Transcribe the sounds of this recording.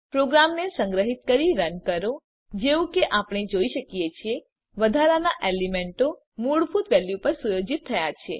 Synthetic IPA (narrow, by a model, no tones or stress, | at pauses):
pɾoɡɾamnesə̃ŋɡɾəɦit̪kəɾiɾənkəɾo | d͡ʒeʋũkeʔapɽ̃id͡ʒoiʃəkijet͡ʃʰie | ʋəd̪ʱaɾanaʔelimeɳʈo | muɭpʰut̪ʋɛljupəɾsujod͡ʒit̪ʰːəjat͡ʃʰḛ